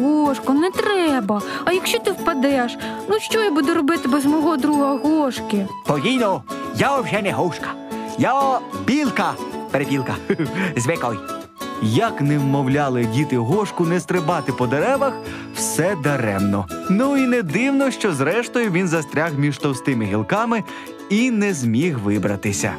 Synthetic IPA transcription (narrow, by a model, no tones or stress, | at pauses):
ɦɔʃkʊnɛt̪ɾɛbɐɐjɐkʃt͡ʃɔt̪ɪwpɐd̪ɛʃnuʃt͡ʃɔjabud̪ʊɾɔbɪt̪ɪbɛzmɔɦɔd̪ɾuɦɐɦɔʃkɪpɔʋʲijnɔjaɔʒɛnɛɦɔwʃkɐ̥ | jaɔbʲilˠkɐpeɾepʲilˠkɐzʲʋʲɛkɔj | jɐknɛwmɔwlʲɑlˠɪdʲit̪ɪɦɔʃkʊnɛst̪ɾɪbɑt̪ɪpɔd̪eɾɛʋɐx | wsɛd̪ɐɾɛmnɔnuinɛd̪ɪwnɔʃt͡ʃɔzɾɛʃt̪ɔjʊʋʲinzɐst̪ɾʲaxmʲiʒt̪ɔwst̪ɪmɪɦʲilˠkɑmɪ | inɛzʲmʲiɦʋɪbɾɐt̪ɪsʲɐ̰